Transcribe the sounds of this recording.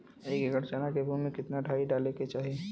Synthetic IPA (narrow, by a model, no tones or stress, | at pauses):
ekeɡəɽt͡ʃaːnakebʱumẽkɪt̪naɖʱaːiɖaːleket͡ʃaːɦie